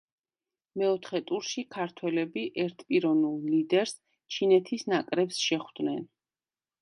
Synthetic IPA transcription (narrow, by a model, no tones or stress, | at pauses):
mɛɔt̪ʰχɛt̪ʼuɾʃikʰaɾt̪ʰwɛlɛbiʔɛɾt̪ʰpʼiɾɔnulˠlid̪ɛɾs | t͡ʃʰinɛt̪ʰisnakʼɾɛpsʃɛχwd̪̥nɛn